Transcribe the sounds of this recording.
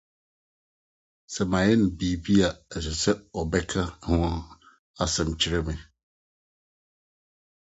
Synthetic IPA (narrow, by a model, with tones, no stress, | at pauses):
sɛ˨mã˨jɛ˦nɪ̃˨biː˨bi˦a˨ɛ˨sɛ˨sɛ˦ɔ˨bɛ˦kʰa˦hʊ̃˦ | a˨sɛ̃˨m˨t͡ɕʰi˨ɾɛ˦mɪ̃˨